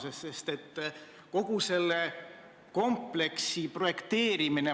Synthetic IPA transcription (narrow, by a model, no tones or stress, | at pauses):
sesːe̞st̪e̞t̪ː | ko̞ɡ̥use̞lːe | ko̞mple̞ksipro̞je̞kt̪e̞ːɾimine